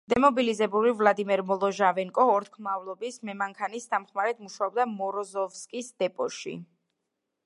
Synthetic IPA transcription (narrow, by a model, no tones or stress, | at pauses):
d̪̥ɛmɔbilizɛbulivlˠad̪imɛɾmɔlˠɔʒavɛŋkʼɔɔɾt̪̚ʰkʰmavlˠɔbismɛmaŋkʰanist̪amχmaɾɛt̪ʰmuʃaɔbd̪amɔɾɔzɔfskʼisd̪̥ɛpʼɔʃḭ